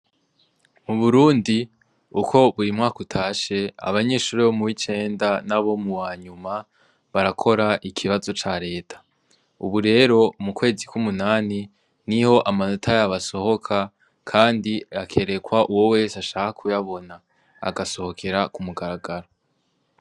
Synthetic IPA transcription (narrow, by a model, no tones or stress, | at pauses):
muβuɾuːndi | ukʰo̞βuɾimŋaːkutʰaːʃe̞a̰βaɲe̞ːʃuːɾiβomuwit͡ʃe̞ːndanaβo̞muwaːɲuma | βaɾakʰo̞ɾaʔikʰiβazo̞t͡ʃaɾe̞ːtʰḁ | uβuɾe̞ːɾo̞mukwe̞ːzikʰumunaːni | niho̞ʔamano̞tʰajaβaso̞ho̞kʰa | kʰaːndiakʰe̞ɾe̞kwaʔuwo̞we̞ːsaʃaːkakʰujaβo̞na̰ː | ɡaso̞ho̞kʰe̞ɾakumuɡaɾaɡaɾo